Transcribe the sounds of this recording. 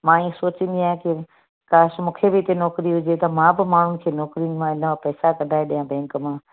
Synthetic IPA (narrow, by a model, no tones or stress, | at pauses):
mãːĩsoːt͡ɕɪ̃nd̪iaːɦẽkɪ | kaːʃmũːkʰebɪɪt̪enɔːkɾiɦʊd͡ʑet̪ɐmãːbɪmaːɳ̤ʊnɪ̆kʰeːnɔːkɾiʊnɪ̆mãɪnəapɛːsakɐ̃nd̪aːeɗijãbɛ̃ːŋkəmãː